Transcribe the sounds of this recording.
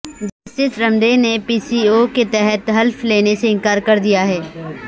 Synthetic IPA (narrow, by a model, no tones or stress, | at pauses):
d͡ʒɐst̪ɪsɾɐ̃md̪enepiːsiːoket̪ɛɦɛt̪ɦɐlfleːneseɪ̃nkaːɾkɐɾd̪ijaɦɛː